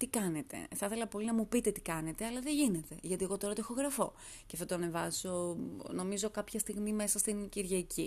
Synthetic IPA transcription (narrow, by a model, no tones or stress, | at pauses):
t̪ikɐne̞t̪e̞̰θɐθe̞lɐpo̞linɐmupit̪e̞t̪i̥kɐne̞t̪eɐlɐðeʝine̞t̪e̞ʝɐt̪ie̞ɣo̞t̪o̞ɾɐt̪oexo̞ɣɾɐfo̞̰ | ceɐfθot̪oɐnevɐzo̞no̞mizo̞kɐpçɐst̪iɣmime̞sɐst̪inciɾʝɐicʰi